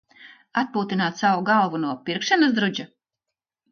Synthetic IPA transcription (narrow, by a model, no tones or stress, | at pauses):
at̪̚puːt̪inaːt̪sawuɡalˠvunuɔpiɾkʃanasd̪ɾud͡ʒa